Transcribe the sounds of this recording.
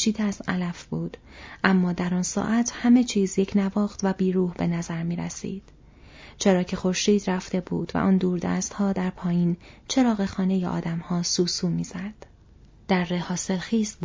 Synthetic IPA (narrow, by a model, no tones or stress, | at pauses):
ʃiːd̪eæz̥ælæfb̥uːd̪̥ʔæmːɒːd̪æɾɒːnsɒ̰ːʔæt̪ʰhæme̞t͡ʃʰiːzje̞cʰnævɒːxt̪ʰvæbiːɾuːhbe̞næzæɾmiːɾæ̰sḭːd̪̥ | t͡ʃʰe̞ɾɒːcʰe̞xo̞ɾʃiːd̪ræft̪e̞buːd̪̥væ̰ʔɒːnd̪uːɾd̪æ̰ːst̪hɒːd̪æɾpʰɒːjiːnt͡ʃʰe̞ɾɒːɣe̞xɒːne̞jeʔɒ̰ːd̪æmhɒːsuːsuːmiːz̥æd̪̥ | d̪̥æɾːehɒːse̞lxiːs